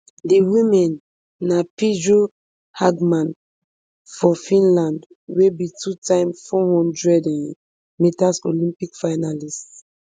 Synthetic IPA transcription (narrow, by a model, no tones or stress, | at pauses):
diwĩmɛ̃nː | apidɹo | haɡmãn | fɔfĩnlãnd | webitutãɪ̃mfɔhɔ̃ndɹɛdɛ̃n | mitasolĩmpikfaɪnalist